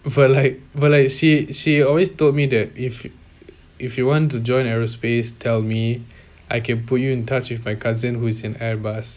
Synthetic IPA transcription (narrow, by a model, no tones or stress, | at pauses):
bɔlaɪk̚bɔlaɪkʃiʃiɔlwestot̚midɛt̚if | ifjuwɔ̃ntud͡ʒɔ̃ɪ̃nɛɹospestʰɛlmi | ʔaɪkɛ̃nput̚juɪ̃ntʰat͡ʃwɪfmajkʰazə̃nhuɪsɪ̃nɛbas